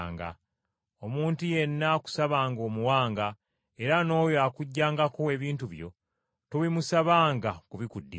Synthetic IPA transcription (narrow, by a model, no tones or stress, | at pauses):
ŋɡa̰ | omuːntuje̞nːaku̥saβaːŋɡo̞ːmuwaːŋɡa | e̞ɾano̞ːjoakuɟːaːŋɡakoe̞βiːntuβjo̞̰ | toβimusaβaːŋɡakuβikudːi